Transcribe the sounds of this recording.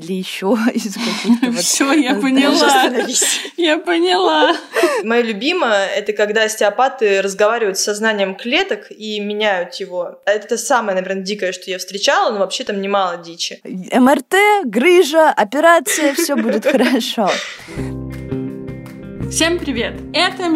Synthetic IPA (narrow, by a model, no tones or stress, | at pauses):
lʲəjɪɕːoɪzɡʊtfsʲojapənʲɪlˠanɐvʲisʲjapənʲɪlˠamɐjolʲʊbʲiməjəɛt̪əkɐɡd̪asʲtʲɪɐpat̪ɨɾəzɡɐvaɾʲɪvəjʊt̪ssɐznanʲɪjəmklʲe̞t̪ək | imʲɪnʲæjʊt̪jɪvo̞ɛt̪əsaməjənɐvʲernədʲikəjəʂt̪o̞jafst̪ʲɾʲɪt͡ɕalˠənovɐpɕːe̞t̪amnʲɪmalˠədʲit͡ɕɪɛmɛrt̪ɛɡɾɨʐəʔɐpʲɪɾat̪sɨjəfʲɵbudʲɪt̪xəɾɐʂo | fsʲempɾʲɪvʲe̞t̪ɛt̪ə